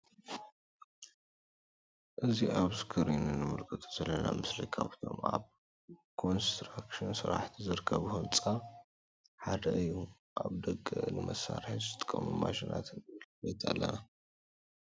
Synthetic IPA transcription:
ʔɨziʔaβsɨ̥kʰɐɾinɨnɨmɨɾkʰɨt̪ʼuz̥ɐlːɐnamɨslikʰaβt̪ʰo̞mʔa̰β | kʰo̞nst̪ɾakʃɨnsɨɾaħt̪ʰizɨɾɨkʰːɐβɨhomt͡sʼa | ħad̪ɐʔɨjːu | ʔaβd̪ɐkʼːɨnɨmɐsːaɾħizɨɨt̪ʼɨ̥kʼːɐmumaʃinʔat̪ʰɨnɨlbejt̪ʰalːɐ̰na

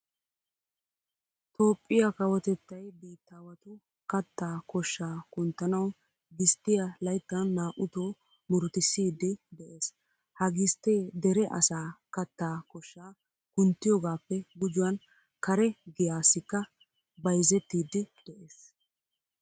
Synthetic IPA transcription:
t̪o̞ːpʼːɪjɐkɐwɔt̪ɛt̪ːɐjbiːt̪ːaːwɐt̪ʊ | kɐt̪ːaːkɔʃːaːkʊnt̪ːɐnɐw | ɡɪst̪ːɪjɐlɐjt̪ːɐnːaːʔʊt̪oː | mʊɾt̪ɪsːiːd̪ːɪd̪ɛʔe̞ːs | hɐɡɪst̪ːeːd̪ɛɾɛʔɐ̰saːkɐt̪ːaːkɔʃːaː | kʊnt̪ːɪjɔɡaːpːɛɡʊd͡ʒʊwɐn | kɐɾɛɡɪjaːsːɪkːɐ | bɐjzɛt̪ːiːd̪ːɪd̪̥ɛʔe̞ːs

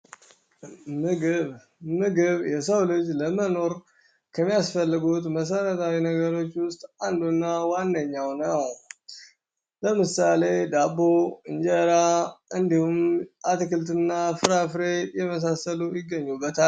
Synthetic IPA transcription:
mɨɡɨβ | mɨɡɨβjɛsəwlɨd͡ʒləməno̞ɾ | kʰəmːijasfəlːɨɡut̪məs̬əɾət̪ʰawinəɡəɾo̞t͡ʃːwʊst̪ʼand̪unːawanːəɲːawnəw | ləmɨsale̞d̪aboɨnd͡ʒəɾaɨnd̪ihumʔat̪ɨkɨlt̪ɨnːafɨɾafɾejɛməs̬asəlujɪɡːəɲːubːət̪ʰal

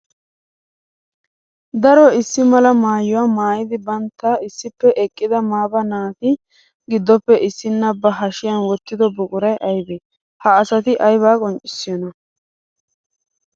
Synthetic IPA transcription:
d̪ɐɾɔɪsːɪmɐlɐmaːjʊwaːmaːjɪd̪ɪbɐnt̪ːɐɪsːɪpːɛʔɛkʼːɪd̪ɐmaːbɐnaːt̪ɪ | ɡɪd̪ːɔpːɛʔɪsːɪnːɐbːɐɦɐʃɪjɐnwɔt̪ːɪd̪ɔbʊkʼʊɾɐjʔɐjbeː | hɐːsɐt̪ɪʔɐjβaːkʼɔnt͡ʃʼɪ̥sːɪjɔnɐ

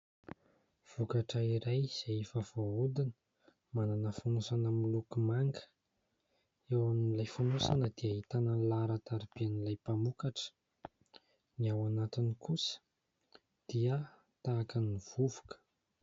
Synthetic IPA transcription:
v̥ukaʈ͡ʂəiɾajz̥eefavoud̪inə̥ | mananəfanusanəmulukumaŋɡə̥ | ewamnilajfanosanəd̪̥iait̪anəlaɾat̪aɾib̥ianilajpamukaʈ͡ʂə̥ | niawanat̪inikʰusə̥ | d̪̥iə | t̪aːkəniv̥uvu̥kə̥

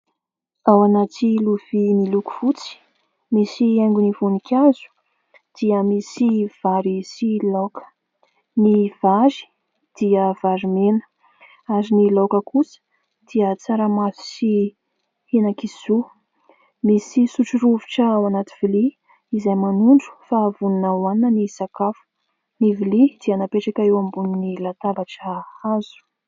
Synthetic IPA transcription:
awanat̪iluv̥imiluku̥v̥ut͡si̥ | misieŋɡunivunikʲʰazu̥ | d̪̥iəmisiv̥aɾisilokə̥ | niv̥azi̥ | d̪̥iəvaɾimenə̥ | azinilokəkusə̥ | d̪̥iət͡saɾəmasi̥si | henakiz̥u | misisuʈ͡ʂuɾuviʈ͡ʂəawanat̪iv̥ili | izajmanuɳɖ͡ʐu̥favuninawaniənisakafu̥ | nivilid̪̥ianapeʈ͡ʂakʲaewambuninilat̪abaʈ͡ʂhazu̥

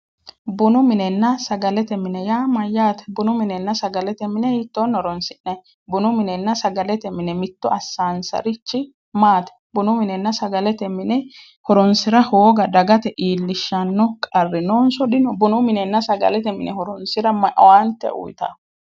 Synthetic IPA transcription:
bʊnʊmɪnɛnːɐsɐɡɐlɛt̪ɛmɪnɛjaːmɐjːaːt̪ɛ̥bʊnʊmɪnɛnːɐsɐɡɐlɛt̪ɛmɪnɛɪt̪ːoːnːɔɾɔnsɪnːɛ | bʊnʊmɪnɛnːɐsɐɡɐlɛt̪ɛmɪnɛmɪt̪ːʊɐsːaːnsɐ̰ɾɪt͡ʃːɪ | maːt̪ɛ̥bʊnʊmɪnɛnːɐsɐɡɐlɛt̪ɛmɪnɛ | hɔɾɔnsɪɾɐhoːɡɐd̪ɐɡɐt̪ɛʔiːlːɪʃːɐnːɔkʼɐrːɪnoːnsɔd̪ɪnɔbʊnʊmɪnɛnːɐsɐɡɐ̰lɛt̪ɛmɪnɛhɔɾɔnsɪɾɐmɐʔwaːnt̪ɛ̰ʔʊ̰jt̪a̰

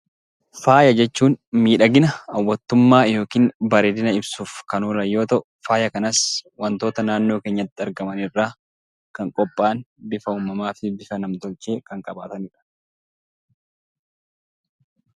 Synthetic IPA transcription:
faːjɐd͡ʒɛt͡ʃːuːnmiːᶑɐɡɪnɐɐwːɐt̪ːʊmːaːjo̞ːkiːnbɐɾeːd̪ɪnɐɪbsuːfkɐnoːlɐjːo̞ːt̪ɐʔʊfaːjɐkɐnɐswɐnt̪o̞ːt̪ɐnaːnːo̞ːkeːɲːɐt̪ːɪɐɾɡɐmɐnɪrːaː | kɐŋkʼɔpʼːaːnbɪfɐuːmɐmaːfɪbɪfɐnɐmt̪ɔlt͡ʃe̞ːkɐŋkʼɐba̰ːt̪ɐnɪᶑɐ̥

